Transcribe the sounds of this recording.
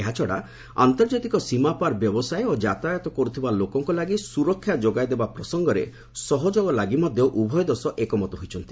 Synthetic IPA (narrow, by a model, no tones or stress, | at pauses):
eɦat͡ʃʰɔɽa̰ | a̰nt̪ɔɾd͡ʒat̪ikɔsimapaɾbjɔbɔsajod͡ʒat̪ajɔt̪ɔkɔɾut̪ʰibalokɔŋkɔlaɡisuɾɔkʰːjad͡ʒoɡajd̪ebapɾɔsɔŋɡɔɾḛ | sɔɦɔd͡ʒɔɡɔlaɡimɔd̪ʱjɔʔubʱɔjɔd̪ɔsɔʔekɔmɔt̪ɔɦojt͡ʃʰɔnt̪i̥